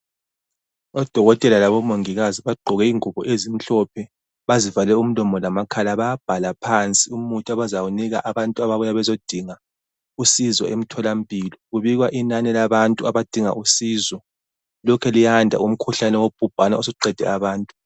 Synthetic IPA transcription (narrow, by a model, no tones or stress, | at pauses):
ɔd̥ʱɔɣɔtʼɛlalaβɔmoŋiɣaziβaɡ͡ǃʱɔɣɛiŋuβɔʔezim̩ɬɔpʰɛ | βazivalɛum̩lɔmɔlamakʰalaβaab̥ʱalapʰant͡sʼiumutʼaβazawuniɣaʔaβantʼuaβaβujaβɛzod̥ʱiŋa | usizɔʔem̩tʰɔlam̩pʰʼilɔɣuβiɣwaʔinanɛlaβantʼuaβad̥ʱiŋa̰ʔusizɔ | lɔkʰɛlijandʱa̰um̩kʰuɬanɛwob̥ʱub̥ʱanaos̬uǃɛd̥ʱɛ̰aβaːntʼu